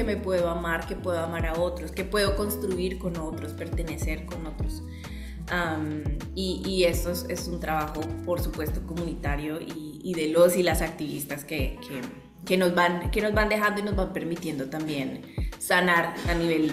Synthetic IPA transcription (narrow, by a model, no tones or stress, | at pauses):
keme̞pwe̞ðoamaɾke̞pwe̞ð̞oamaɾao̞t̪ɾo̞ske̞pwe̞ðoko̞nst̪ɾuiɾko̞no̞t̪ɾospe̞ɾt̪e̞ne̞se̞ɾko̞no̞t̪ɾos | am | iie̞st̪ose̞sunt̪ɾaβaxo̞po̞ɾsupwe̞st̪o̞ko̞munit̪aɾjo̞ʔiː | ðe̞lo̞silasak̚t̪iβist̪askekʰe | ke̞no̞zβanke̞no̞zβand̪e̞xand̪oino̞zβampe̞ɾmit̪jend̪o̞t̪ambje̞n | sanaɾaniβe̞l